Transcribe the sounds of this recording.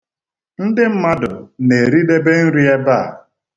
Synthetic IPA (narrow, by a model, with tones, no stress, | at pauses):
n̩˦dɪ˦m̩˦ma˦dʊ˨ne˨ɾi˦de˦be˦n̩˦ɾi˦e˦ba˦˨